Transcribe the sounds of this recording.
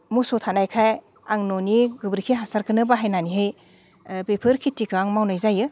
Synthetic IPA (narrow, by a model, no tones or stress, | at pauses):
musotʰanajkʰaj | aŋnoniɡɯbɾikʰiɦasaɾkɯnɯbaɦajnaniɦɯj | pepʰɯɾkʰitikʰɯaŋmawnajzajɯ